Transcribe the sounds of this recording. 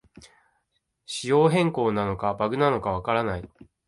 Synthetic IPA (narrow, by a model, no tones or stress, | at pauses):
ɕijo̞ːɦẽ̞ŋko̞ːnano̞kabaɡɯ̟nano̞kaβ̞akaɾanai